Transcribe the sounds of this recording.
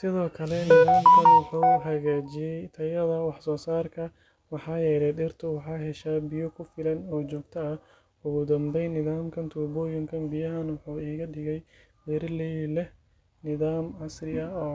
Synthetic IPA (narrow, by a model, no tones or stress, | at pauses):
sɪðɔːkʰɐlɛnɪðaːmkʰɐnwɑħuːɦɐɣaːt͡ʃɪjɛjt̪ʰɐjɐðɐwɑħsɔːsaːrkʰɐ | wɑħɑːjɛːlɛjdɪrt̪ʰʊwɑħɑːɦɛʃaːbɪjɔkʰʊfɪlɐnɔːt͡ʃɔːɡ̚t̪ʰɐɐ | ʊɣʊd̪ɐmbɛjnɪðaːmkʰɐnt̪ʰuːbɔːjɪŋkʰɐnbɪjɐɦɐnwɑħuːiːɣɐɗɪɣɛj | dɪɾlɛlɛ | nɪðaːmɐsrɪɐɔː